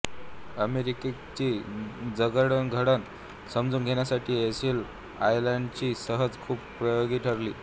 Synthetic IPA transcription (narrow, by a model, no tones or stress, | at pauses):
əmeɾike | t͡ɕiːd͡zəɡəɽənɡʱəɽən | səmd͡zuːnɡʱeɳjasaʈʰiːesil | ajlaɳɖt͡ɕiːsəɦəd͡zkʰuːppɾəjoɡiːʈʰəɾlḭː